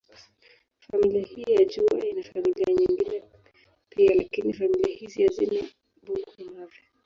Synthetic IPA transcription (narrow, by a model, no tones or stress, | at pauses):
familiahijaʄua̰inafamiliaɲiŋɡinɛ | pialakinifamiliahizijazinɛ | buɡinavjɔ